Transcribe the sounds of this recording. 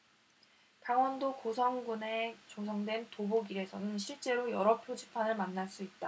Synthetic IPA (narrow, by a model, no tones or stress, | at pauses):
taŋwʌndokosʰʌŋɡune̞t͡ɕosʰʌŋdwe̞ntoboɡiɾe̞sʰʌnɯnɕ̬ʰiɭt͡ɕ͈e̞ɾojʌɾʌpʰjod͡ʑipʰanɯɭmanːaɭs͈uit̚t͈a